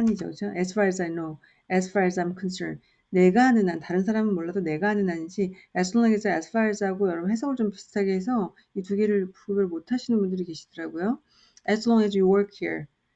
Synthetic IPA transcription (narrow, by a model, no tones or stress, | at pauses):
ɲid͡ʑo̰kɯt͡ɕʰoʔespʰaɾes̬ajno | espʰaɾes̬ajmkʰʌnsənː | e̞ɡanɯnantaɾɯnsʰaɾamɯnmoɭːadone̞ɡaanɯnaɲind͡ʑiesʰlʌŋesʰaespʰaes͈ɯɦaɡojʌɾʌbnɦe̞sʰʌɡɯɭt͡ɕompi̥sɯ̥tʰaɡeɦesʰʌ | ituɡeɾɯɭpuubeɾomotʰaɕʰinɯnbundɯɾike̞ɕʰi̥d̥ʌɾaɡojo | ɛslʌŋɛs̬juwʌɭkʰhiɹ